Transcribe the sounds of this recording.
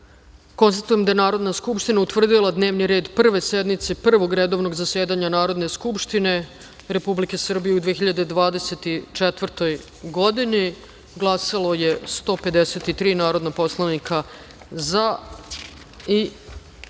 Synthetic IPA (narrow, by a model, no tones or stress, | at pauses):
ko̞nst̪at̪uje̞md̪ajenaːɾo̞d̪naskupʂt̪inaut̪ʋr̩d̪ilˠad̪neːʋniɾe̞ːd̪pr̩ʋe̞sed̪mit̪se̞pr̩ʋo̞ɡɾed̪oʋno̞ɡzase̞ːd̪aɲanaːɾo̞d̪ne̞skupʂt̪ine̞ | ɾe̞publike̞sr̩bijeud̪ʋexiʎad̪e̞d̪ʋaːd̪e̞set̪it͡ʂet̪ʋr̩t̪o̞j | ɡo̞d̪ini | ɡlˠasalˠo̞je̞st̪o̞ːpe̞d̪eset̪it̪ɾiːnaːɾo̞d̪napo̞slˠanika | za | i